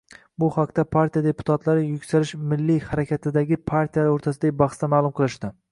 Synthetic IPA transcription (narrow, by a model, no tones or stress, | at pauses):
bʊhaqt̪apʰaɾt̪ʰijad̪e̞pʊ̥t̪ʰat̪laɾɪjʊkʲsaɾɪʃmɪlːihaɾakʲat̪ʰɪd̪aɡʲɪpʰaɾt̪ʰijalaɾoɾt̪ʰasɪd̪aɡʲɪbɑχst̪amaːlˠʊmqʰɨlˠɪʃt̪ɪ